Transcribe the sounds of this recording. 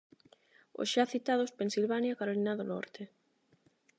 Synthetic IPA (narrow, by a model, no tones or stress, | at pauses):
o̰sʃaθit̪að̞ospensilβanjakaɾolinaðonɔ̰ɾt̪e